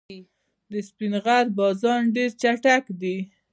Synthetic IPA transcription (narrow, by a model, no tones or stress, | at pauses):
d̪əspinɣaɾbɑzɑnɖeɾt͡ʃaʈakd̪i